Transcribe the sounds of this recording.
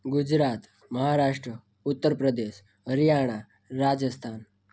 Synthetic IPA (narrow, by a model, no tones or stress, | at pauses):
ɡud͡ʑɾat̪ | məɦaɾaʂʈɾə | ut̪ːəɾpɾəd̪eɕ | əɾijaɽ̃a | ɾad͡zəst̪ʰan